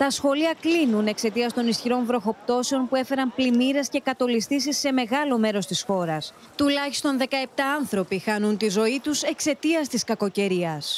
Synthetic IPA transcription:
t̪ɐsxo̞liɐklinune̞kse̞t̪iɐst̪o̞nisçiɾo̞nvɾo̞xo̞p̚t̪o̞seo̞npue̞fe̞ɾɐmplimiɾe̞sce̞kɐt̪o̞list̪isisːe̞me̞ɣɐlo̞me̞ɾo̞st̪isxo̞ɾɐs | t̪ulɐçist̪o̞nðe̞kɐe̞p̚t̪ɐɐnθɾo̞pixɐnunt̪izo̞it̪use̞kse̞t̪iɐst̪iskɐko̞ce̞ɾiɐs

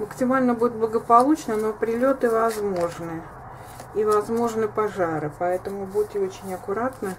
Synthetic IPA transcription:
məksʲɪmalʲnəbudʲɪt̪̚blˠəɡəpɐlˠut͡ɕnəno̞pɾʲɪlʲo̞t̪ɨvɐzmo̞ʐnɨ | ivɐzmo̞ʐnɨpɐʐaɾɨpɐɛt̪əmʊbudʲɪt̪ɪot͡ɕɪnʲɐkʊɾat̪nə

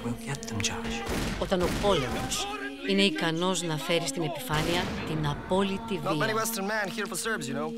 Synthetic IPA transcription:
wilˠɡɛt̪̚ðə̃md͡ʒad͡ʒo̞t̪ɐno̞po̞le̞mo̰s | ineikɐno̞znɐfe̞ɾist̪ine̞pifɐniɐt̪inɐpo̞lit̪iviɛniwɛstə˞nmæ̃nhiɹfəsɜ˞vzjunoʊ

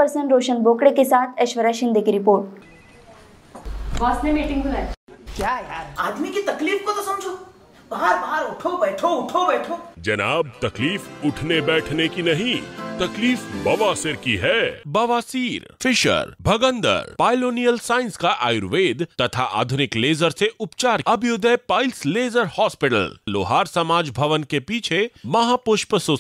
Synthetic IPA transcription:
pɐɾsə̃ɳʈɾoːʃənboːkɽekesaːt̪ʰɐʃʋəɾaʃɪ̃nd̪ʱikiɾɪpoːɾʈ | ʋaːsnemiːʈɪ̃ŋbɪlaːkjaaːd̪mikit̪ɐkliːfkot̪osɐmd͡ʒʱo | baɦaɾbaɦaɾʊʈʰobɛːʈʰoʊʈʰobɛːʈʰoːd͡ʒɐnaːb̚t̪ɐkliːfʊʈʰnebɛːʈʰnekinɐɦĩt̪ɐkliːfbɐʋaːsɪɾkiɦɛːbɐʋaːsiːɾfʰɪʃə̰ɾbʱɐɡə̃nd̪ə̰ɾpaːɪloːnijəlsaːɪ̃nskaʔa̰ːjʊɾʋeːd̪t̪ɐt̪ʰaʔa̰ːd̪ʱʊnɪkleːzəɾseʔʊpt͡ʃaːɾɐbʱjʊd̪ʱəpaːɪlsleːzəɾhɔːspɪʈə̰llo̰ːɦaːɾsɐmaːd͡ʒbʱɐʋənkepiːt͡ʃʰemɐɦaːpʊʃpsʊ

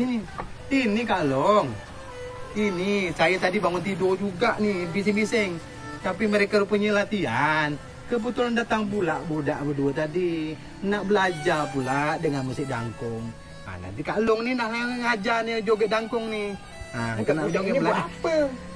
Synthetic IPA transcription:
ini | inikaʔlɔŋ | inisajat̪adibaŋʊnt̪idod͡ʒuɡaʔnibis̬ɪŋbisɛŋ | t̪apiməɾekaɾupuɲəlat̪ian | kəbət̪ulandat̪aŋbulaʔbudaʔpəduət̪adi | naʔ̚bəlad͡ʒarp̬uladəŋanməsiʔda̰ŋkʊŋ | a̰na̰nt̪ikaʔəlɔŋninaʔlaŋad͡ʒanəd͡ʒoɡəʔdaŋkʊŋni | aənadoəblaʔapə

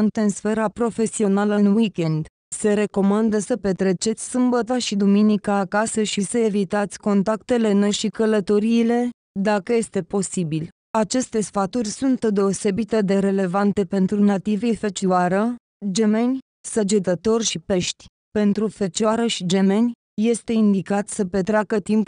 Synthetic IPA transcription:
nt̪ɨnsfe̞ɾapɾo̞fe̞sio̞naləɨnwikʲe̞nd̪ | se̞ɾe̞ko̞mand̪əsəpe̞t̪ɾe̞t͡ʃe̞t̪sʲsɨmbət̪aʃid̪uminikəːkasəʃisəe̞vit̪at̪sʲko̞nt̪akt̪e̞le̞noʃikələt̪o̞ɾiːle̞ | d̪akəje̞st̪e̞po̞sibil | at͡ʃe̞st̪e̞sfat̪urʲsunt̪d̪e̞ose̞bit̪ed̪e̞ɾe̞le̞vant̪e̞pe̞nt̪ɾunat̪ivefet͡ʃiaɾə | d͡ʒe̞me̞nʲ | səd͡ʒet̪ət̪o̞rʲʃipe̞ʃt̪ʲ | pe̞nt̪ɾufet͡ʃaɾəʃid͡ʒe̞me̞nʲ | je̞st̪e̞ind̪ikat̪sʲsəpe̞t̪ɾʲeakət̪imp

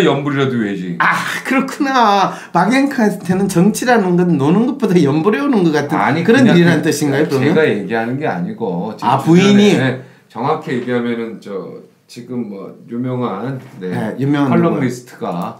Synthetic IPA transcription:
jʌmbuɾiɾadoɥed͡ʑiakɯɾʌkʰuna | paɡeŋkʰasʰɯtʰenɯnt͡ɕʌŋt͡ɕʰiɾanɯnɡʌnɯnːonɯnɡɯp͈udajʌmbuɾe̞unɯnɡʌk͈atʰɯa̰ɲikɯɾʌniɾiɾanɯntɯɕʰiŋɡajokɯʌeoɡajeɡiɦanɯnɡe̞a̰ɲiɡot͡ɕapuiɲi | t͡ɕʌŋɦakʰejeɡiɦamjʌnɯnt͡ɕʌ | t͡ɕiɡɯmːʌ̰jumjʌŋannenejumjʌŋɦaɭːoŋɾisʰɯ̥tʰɯɡa̰

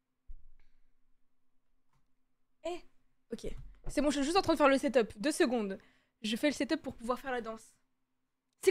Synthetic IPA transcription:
ɛ | ɔkʲesɛmɔ̃ʒʒyst̪ɑ̃t̪χɛ̃d̪əfɛʁləsɛt̪œpd̪øsəɡɔ̃d̪ | ʒəfɛləsɛt̪œpːuʁpuvwaʁfɛʁlad̪ɑ̃s | sɛ

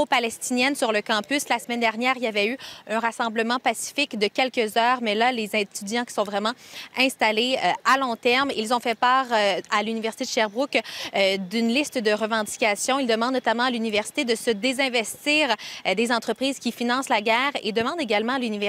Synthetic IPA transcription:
opalɛst̪injɛnsyʁləkɑ̃pyslasəmɛnd̪ɛʁnjɛːʁiljavɛyœ̃ʁasɑ̃bləmɑ̃pasi̥fɪkd̪əkʲɛlkʲəzœːʁmɛlalezɛ̃t̪yd̪jɑ̃kʲi̥sɔ̃vʁɛmɑ̃ɛ̃st̪aleøalɔ̃t̪ɛʁmilzɔ̃fɛpaːʁalynivɛʁsi̥t̪ed̪əʃɛʁbʁuk | d̪ynlɪst̪d̪əʁəvɑ̃d̪ikʲasjɔ̃ild̪əmɑ̃d̪nɔt̪amɑ̃alynivɛʁsi̥t̪ed̪əsəd̪ezɛ̃vɛst̪iːʁd̪ezɑ̃t̪χəpχiːzkʲifinɑ̃slaɡʲɛːʁed̪əmɑ̃d̪eɡʲalmɑ̃alynivɛ

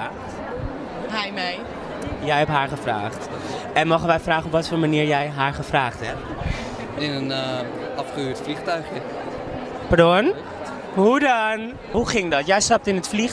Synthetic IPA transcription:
t | ɦɛjmej | jɛjɦɛpɦaːɹχəfra̰ːχt | ɛnmowχənʋɛjfraːχənɔpʋɑtfoːlmaniːɹjɛjɦaːɹχəfraːχtɦɛp̚t | ɪnən | ɑfχəyːtfliχtœɥχjə | paɹdon | ɦudɔn | ɦuχɪŋdɔtjɛjstɑp̚tɪnətfliχ

